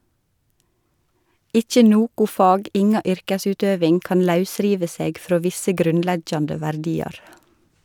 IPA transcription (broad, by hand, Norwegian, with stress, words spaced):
ˈɪçə ˈnoːkʊ ˈfɑːɡ ˈɪŋɑ ˈʏɾkəˌsʉːtøːʋɪŋ ˈkɑːn ˈlɑʉˌsɾiːʋə ˈseːɡ ˈfɾoː ˈʋɪsə ˈɡɾʉnˌlɛɡjɑndə ʋæɾˈdiːɑɾ